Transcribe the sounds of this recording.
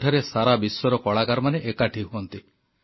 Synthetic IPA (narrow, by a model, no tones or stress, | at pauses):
ʈʰaɾesaɾabisɔɾɔkɔɭakaɾɔmaneʔekaʈʰiɦuɔnt̪i